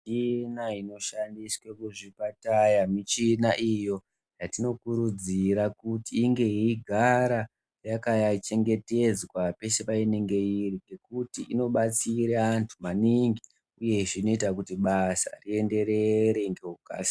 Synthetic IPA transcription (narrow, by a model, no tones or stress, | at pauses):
t͡ʃinaino̞ʃandiswekuʐipatajamit͡ʃinaʔijo̞ | jatino̞kuɾud͡ziɾakutiːŋɡe̞iːɡʱaɾa | jakajat͡ʃe̞ŋɡe̞te̞d͡zwape̞sepaine̞ŋɡe̞iriɡe̞kutiʔino̞ɓat͡siɾeantʰumaniŋɡi | uje̞ʐino̞itakutiɓasa̰rie̞nde̞ɾe̞ɾeŋɡe̞ɦuka̰ːsi̥